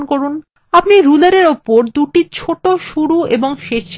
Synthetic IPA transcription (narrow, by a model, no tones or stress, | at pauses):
nkoɾun | apniɾulaɾeɾopoɾd̪uʈit͡ɕʰoʈoʃuɽueboŋʃeʃ